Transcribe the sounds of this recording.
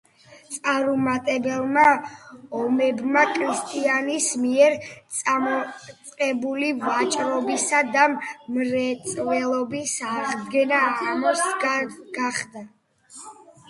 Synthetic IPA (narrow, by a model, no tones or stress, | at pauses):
t̪sʼaɾumat̪ʼɛbɛlˠma | ɔmɛbmakʰɾist̪ʼianismiɛɾt̪sʼamɔt̪sʼqʼɛbulivat͡ʃʼɾɔbisad̪ammɾɛt̪sʼvɛlˠɔbisaʁd̪ɡɛnaːt̪ʰʼamɔsɡ̥aχd̪a